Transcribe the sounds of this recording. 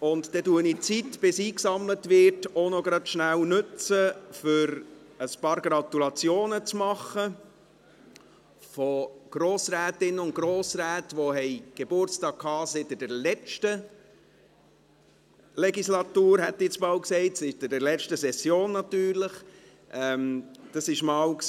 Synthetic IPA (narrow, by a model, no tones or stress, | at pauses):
ʊntd̥ɛtuənit͡sitb̥ɪsiːksɑmlətʋɪɾtonɔɡɾɑtʃnæwnʉt͡səfʏɾ | əspɑːɾɡɾɑt̪ulɑt͡sjoːnət͡smɑχːə | fɔɡ̥ɾoːsɾæːtɪnːəʊnt̚ɡ̥ɾoːsɾæːtʋoɦɛɪɡ̥ebʊɾt͡stɑːk̚kʰhɑːsɪtɪd̥ɛɾlɛt͡ʃtə | lɛɡislɑtuːɾhɛtdit͡smɑːlksɛɪtsɪtɪdɛɾlɛt͡ʃtəsɛsjoːnːɑtyːɾləχ | ʔɛmd̥ɑsɪʃmɑːwks